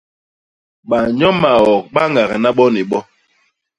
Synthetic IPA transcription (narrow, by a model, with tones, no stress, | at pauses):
ɓa˨ɲɔ˦ma˨ɔ˨k̚ɓa˦ŋɡa˨ɣa˨na˦ɓɔ˦ni˨ɓɔ˦